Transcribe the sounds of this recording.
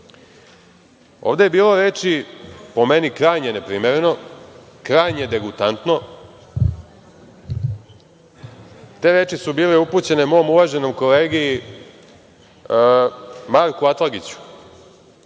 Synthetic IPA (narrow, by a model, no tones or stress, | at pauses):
oːʋd̪e̞jebiːlo̞ɾeːt͡ʂipo̞me̞nikɾaːjɲenepɾiːmeɾeno̞ | kɾajɲed̪e̞ɡut̪ant̪no̞ | t̪e̞ːɾe̞ːt͡ʂisubiːleuput͡ɕe̞nemo̞omuʋaʒe̞no̞mko̞leːɡiː | maɾkuat̪lˠaɡit͡ɕu̥